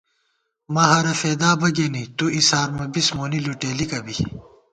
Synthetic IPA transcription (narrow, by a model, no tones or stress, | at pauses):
mɐɦɐɾɐfeːd̪aːbɐɡeːnit̪uisaːɾmɐbismoːniluʈeːlikɐbi